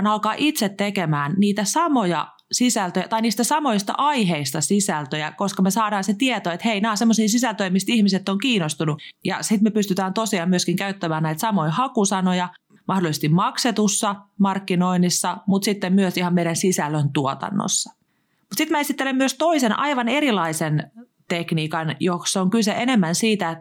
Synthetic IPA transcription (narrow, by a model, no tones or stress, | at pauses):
nɑlkɑːʔit̪set̪tːekemæːnniːt̪æsɑmojɑ | sisælt̪øjæt̪ɑiniːst̪æsɑmo̞jist̪ɑ̰ʔɑjɦeist̪ɑsisælt̪øjækoskɑmesɑːɾɑːnset̪iet̪oet̪heinæːsemːosiːsisælt̪øimist̪ihmiset̪ːoŋkiːnost̪unujɑ̰sit̪mepyst̪yt̪æːnt̪osiɑːmyøskiŋkæyt̪ːæmæːnnæit̪sɑmoihɑkusɑnojɑ | mɑhdolisest̪immɑkset̪usːɑmɑrkːino̞inisːɑmut̪sit̪ːemmyøsihɑmmeiɾænsisælːønt̪uot̪ɑ̰nːo̰sːɑ | mut̪sit̪mæesit̪ːelemmyøst̪o̞isenʔɑ̰jʋɑne̞ɾilɑisen | t̪ekniːkɑnjoksoŋkyseʔenemːænsiːt̪æ